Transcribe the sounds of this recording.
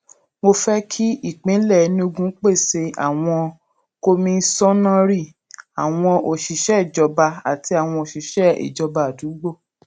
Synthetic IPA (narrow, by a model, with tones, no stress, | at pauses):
mo˧fɛ˦kʰi˦i˦˨k͡pĩ˨˦lɛ˦˨˦nĩ˧o˦˧ɡũ˦k͡pe˦˨se˧a̰˨w̃ɔ̃˧ | ko˧mĩ˧˦sɔ̃˦nã˦ɾi˦˨ | a˨w̃ɔ̃˧ʔo˨ʃi˨ʃɛ˦˨d͡ʒɔ˧ba˧a˨ti˧˦a˨w̃ɔ̃˧o˨ʃi˨ʃɛ˦ḭ˨d͡ʒɔ˧ba˨du˨˦ɡ͡bo˦˨